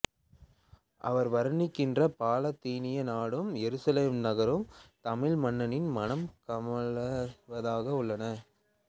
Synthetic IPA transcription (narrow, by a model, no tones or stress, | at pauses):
ʔɐ̰ʋɐɾʋɐɾɯɳɪkːɪndrɐpaːlɐt̪ːiːnɪjɐnaːɽɯmjɛɾɯsɐleːmnɐɣɐɾɯmt̪ɐmɪɭmɐnːɐnɪnmɐnɐmkɐmɐɭɐʋɐðaːɣɐʊɭːɐnɐ